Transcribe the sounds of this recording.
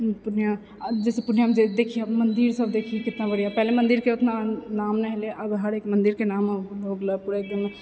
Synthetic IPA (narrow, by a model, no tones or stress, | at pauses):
pʊnja | d͡ʒɛːsepʊnjamd͡ʒed̪eːkʰijamɐnd̪iɾsɐbd̪eːkʰikɪt̪nabɐɽjapɛɦlemɐ̃nd̪iɾkeʊt̪nanaːmnɛɦeleʔɐbɦɐɾeːkmɐ̃nd̪iɾkenaːmloːɡləpuɽaek̚d̪ɪm